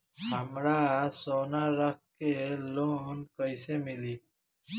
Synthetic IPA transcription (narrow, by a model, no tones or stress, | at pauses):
hamɾasɔnaɾakː | elonkʌjsemili